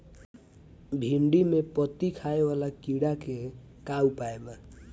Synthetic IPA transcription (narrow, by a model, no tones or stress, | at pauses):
bʱiɳɖimepʌt̪ikʰaewalakiɽake | kaupaema